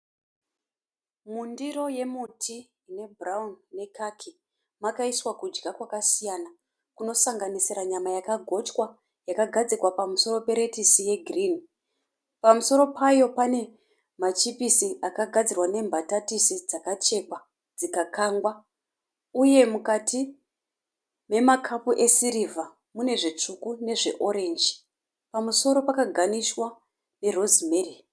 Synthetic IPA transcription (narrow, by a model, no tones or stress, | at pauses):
mundiɾo̞je̞mutʰiː | ne̞bʱraunːe̞kakʰi | makaiswakud͡ʒɡakwakasijana | kuno̞saŋɡaniseɾaɲamajakaɡʱo̞t͡ʃkwa | jakaɡʱad͡zirwapamuso̞ɾo̞pe̞ɾe̞tisije̞ɡʱriːni | pamuso̞ɾo̞pajo̞pane̞ | mat͡ʃipisiʔakaɡʱad͡zirwane̞mbʱatatisid͡zakat͡ʃe̞kwa | d͡zikakaŋɡwa | uje̞mukati | me̞makʰapuʔe̞siɾiva | mune̞ʐe̞t͡ʂukune̞ʐe̞ʔo̞ɾe̞nd͡ʒi | pamuso̞ɾo̞pakaɡʱaniswa | ne̞ro̞zimeri